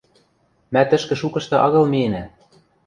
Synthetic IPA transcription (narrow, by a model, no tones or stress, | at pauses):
mæt̪ɘ̆ʃkɘ̆ʃukɤ̆ʃt̪ɤ̆ʔɑɣɤ̆lmienæ